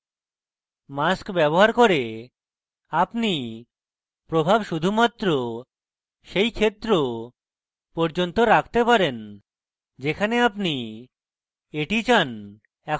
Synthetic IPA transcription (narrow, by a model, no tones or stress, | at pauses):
maskbɛboɦaɾkoɾe | apni | pɾobʱabʃud̪ʱumat̪ːɾo | ʃejkʰet̪ːɾo | pɔɾd͡ʑont̪oɾakʰt̪epaɾen | d͡ʑekʰaneap̬ni | eʈit͡ɕan | ɛk